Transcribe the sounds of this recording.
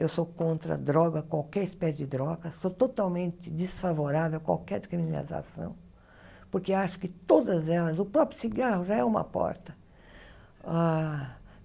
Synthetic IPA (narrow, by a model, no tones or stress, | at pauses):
ewsokõnt̪ɾɐ̰d̪ɾɔɡɐkwawkɛɾɪspɛsɪd͡ʒɪd̪ɾɔɡɐsot̪ot̪awmẽnt͡ʃ̪ɪd͡ʒ̪ɪsfavoɾavewkwa̰wkɛɾkɾimina̰ɾiza̰sɐ̰̃w̃ | poɾkeaʃʊ̥kɪt̪od̪ɐzɛlɐzʊpɾɔpɾjʊsiɡahʊʒaɛũmɐ̰pɔ̰ɾt̪ɐ | a